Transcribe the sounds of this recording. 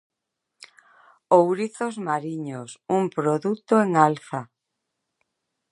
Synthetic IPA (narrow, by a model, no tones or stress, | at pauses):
owɾiθozmaɾiɲosumpɾoðut̪oeŋalθa